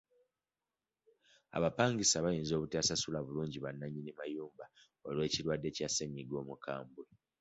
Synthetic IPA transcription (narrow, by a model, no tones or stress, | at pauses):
a̰βapaːŋɡisaβajiːnzo̞ːβuteasasulaβuluːɲɟiβanːaɲinimajuːmba | o̞lwe̞ːciɾwadːe̞caseɲiɡo̞ːmukʰaːmbwe